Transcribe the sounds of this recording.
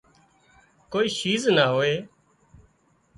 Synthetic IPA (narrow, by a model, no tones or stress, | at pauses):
koːiːʃiːznaːɦoːeː